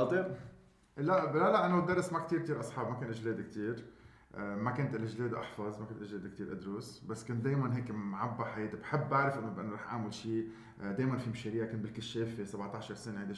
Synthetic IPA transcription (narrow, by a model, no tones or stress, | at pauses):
ɑt̪ˤiɾ | laʔlalaʔɪnːod̪ːɑrˤːɪsmak̚t̪iːɾk̚t̪iːɾʔɑsˤħɑːbmakʊːnʔʒleːd̪k̚t̪iːɾ | makʊnt̪ʔɪlʔʒleːd̪ʔɑ̰ħfɑzmakʊnt̪lʒleːd̪k̚t̪iːɾʔa̰d̪ɾuːsbasːkʊnt̪̚d̪eːjmanɦeːkmʕabːaħajeːt̪ibħɪbːʔaʕɾɪfʔɪnːobʔɪnːoɾˤɑːħʔa̰ʕmɪlʃiː | d̪eːjmanfimʃeɾiːʕakʊnt̪bɪlkɪʃːeːfesabʕt̪ˤɑʕʃɑɾˤsɪneʕɪnd̪i